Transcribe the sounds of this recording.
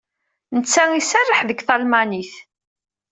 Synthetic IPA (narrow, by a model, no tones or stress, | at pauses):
nət͡sːæŋisærˤːəħðəɡθɑlmæniθ